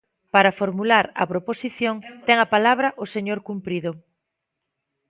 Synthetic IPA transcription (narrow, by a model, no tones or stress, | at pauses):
paɾɐfoɾmulaɾɐ̰pɾoposiθjoŋt̪ɛŋɐpalaβ̞ɾɐʔoseɲoɾkumpɾiðʊ